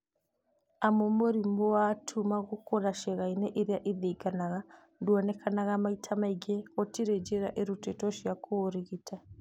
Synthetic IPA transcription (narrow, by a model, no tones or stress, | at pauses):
amumoɾimboatʰumaɣukoɾaʃeɣaineʔiɾjaʔiðikanaɣa | ndwonekʰanaɣamaitʰamaiɡeotiɾed͡ʒeɾa̰ʔeɾutetoʃiakoɾiɣitʰa